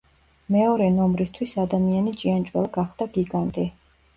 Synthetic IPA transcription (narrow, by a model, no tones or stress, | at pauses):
mɛɔɾɛnɔmɾist̪ʰwisad̪amianit͡ʃʼiant͡ʃʼwɛlˠaɡaχd̪aɡiɡant̪ʼi